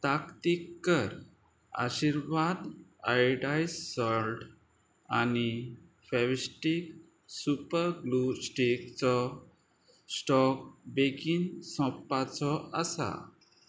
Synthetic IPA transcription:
t̪akt̪ikːəɾ | a̰ɕiɾʋad̪ajɖajssɔlʈ | ani | fɛʋsʈik | supəɾɡlusʈikt͡sɔ | sʈɔk̚bekinsɔ̃pːat͡sɔəsa̰

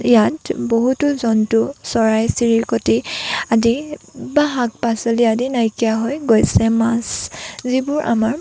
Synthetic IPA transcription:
jatboɦutuzɔntʊsɔɹajsiɹiɹkotiadibaɦak̚pasɔliadinajkijaɦɔjɡojsɛmaszibʊɹʔa̰maɹ

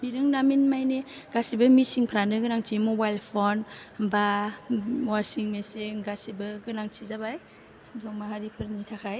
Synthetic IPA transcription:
biɾɯŋnaminmajneɡ̥asibɐmisiŋpʰɾanɯɡɯnaŋt͡ʃʰimobajlpʰonba | wasiŋmeseɡasibɯɡɯnaŋt͡ʃʰizabaj | dɔŋmahaɾipʰɯɾnitʰakʰaj

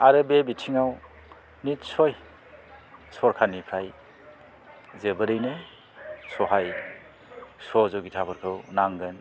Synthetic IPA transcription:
aɾɯbebitʰiŋaw | nitsoj | sɔɾkʰanipʰɾaj | zebɯɾɯjnɯ | sɔɦaj | sɔzɔɡitʰabʰɯɾkʰɯwnaŋɡɯn

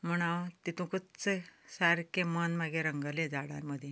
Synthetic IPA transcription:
m̤əɽ̃awt̪it̪ũkət͡səsaɾkemənmaɡeɾəŋɡəled͡zaɽa̰məd̪ʱje

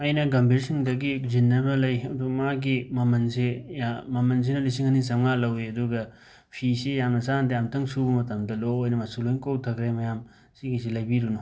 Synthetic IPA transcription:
ɐjnɐɡɐmbʱiɾsiŋdɐɡizinːɐmɐlɐjɐdumaɡimɐmɐnsejamɐmɐns̬inɐlisiŋɐnisɐŋalɐweɐduɡɐ | pʰisejamnɐsandɐjamtɐŋsubɐmɐtɐmdɐloojnɐmasulojnkowtʰɐkɾemɐjam | siɡisilɐjbiɾunu

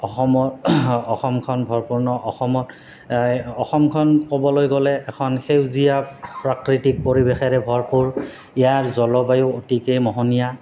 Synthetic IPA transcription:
ɔxɔmɔtɔxɔmkʰɔnbʱɔɹpuɹnɔʔɔxɔmɔt | ɔxɔmkʰɔnkɔbɔlojɡɔlɛɛkʰɔnxewzijapɹakɹitik̚poɹibexɛɹɛbʱɔɹpuɹ | ɛjaɹzɔlɔbajʊotikejmɔɦɔnija

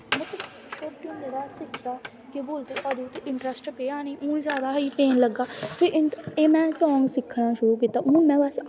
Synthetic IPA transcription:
mət̪əl | ʃoːp̚kẽːnd̪eɾaːsɪkʰd̪aː | keboːlt̪eːʔəd̪eːʊt̪ːeʔɪɳʈɾɛsʈpeːaːniːʔũːĩzjaːd̪aːiːpeːnləɡːaːpʰɪɾʔɪeːmɛ̃ːsɔ̃ːŋɡsɪkʰːɽaːʃʊɾuːk̬iːt̪ːaːʔʊnũːmɛ̃ːʋəs

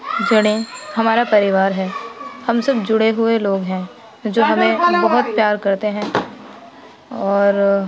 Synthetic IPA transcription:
d͡ʒɐɽ̃ẽhɐmaːɾapɐɾɪʋaːɾɦɛːhɐmsɐbd͡ʒʊɽeɦʊeloːɡɦɛ̃ | d͡ʒoːɦɐmẽbbɐɦʊt̪̚pjaːɾkɐɾt̪eɦɛ̃ː | ɔːɾ

